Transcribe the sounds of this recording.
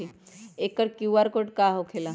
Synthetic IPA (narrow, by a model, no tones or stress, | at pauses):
i | eːkːəɾkjuaɾkoʈkaɦokʰela